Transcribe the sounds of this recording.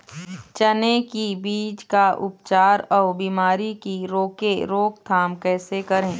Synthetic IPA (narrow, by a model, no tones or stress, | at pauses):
t͡ʃənekibiːd͡ʒkaʔʊpt͡ʃaːɾɔːɾbiːmaːɾikiɾoːkeɾoːk̚t̪ʰaːmkɛːsekɐɾẽː